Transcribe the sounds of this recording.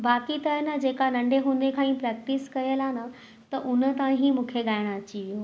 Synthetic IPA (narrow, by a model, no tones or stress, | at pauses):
baːkit̪ɐnəd͡ʑeːkanɐ̃ɳɖʱeɦũːn̆d̪ekʰãːĩpɾɛːk̚ʈɪskɐjəlaːnə | t̪ɐʔʊnə̆t̪ɐʋãɦimũːkʰeɡaːɪɽ̃əɐt͡ɕiʋijo